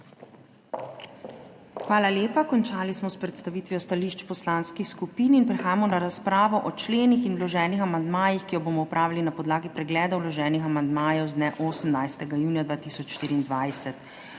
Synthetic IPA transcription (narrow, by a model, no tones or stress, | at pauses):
xʋaːlaljeːpakɔnt͡ʃaːlismɔspɾɛt̪st̪aʋiːt̪ʋiɔst̪aliːʃt͡ʃpɔslaːnskixskupininpɾɛxaːjamɔnaɾaspɾaːʋɔʔɔt͡ʃleːnixinlɔʒɛːnixamand̪maːjixkijɔboːmɔupɾʔaːʋilinapɔd̪laːɡipɾɛɡlɛːd̪ɔwlɔʒɛːnixamand̪maːjɛwzd̪nɛʔoːsəmnajst̪ɛɡajuːnijad̪ʋaːt̪isɔt͡ʃʃt̪iːɾiːnd̪ʋajsɛt̪